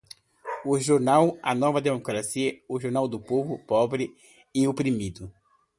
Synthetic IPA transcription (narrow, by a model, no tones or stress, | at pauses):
ʊʒoɾnawɐ̰nɔvɐd̪emokɾasiɐʊʒoɾnawd̪ʊpovʊpɔbɾɪ | ɪopɾimid̪ʊ